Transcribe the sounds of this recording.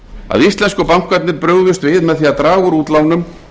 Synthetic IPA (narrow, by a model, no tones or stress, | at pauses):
a̰ðist̪lɛnskʏpawŋ̥kvat̪nɪɾpɾœːɣðʏst̪vɪðmɛðθiat̪ɾaːɣʏɾuːt̪lawnʏm